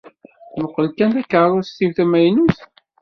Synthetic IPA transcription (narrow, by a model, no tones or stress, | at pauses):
nəqːəlkænt̪ækːəɾˤʊɾst̪ːivθæmæjnuθ